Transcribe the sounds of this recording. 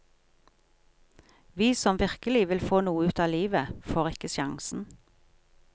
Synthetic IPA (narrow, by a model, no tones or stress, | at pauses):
ʋiːsɔmʋɪʁkəlɪʋɪlfoːnuːəʉːt̪ɑːliːʋəfoːʁɪkəsjɑŋsn̩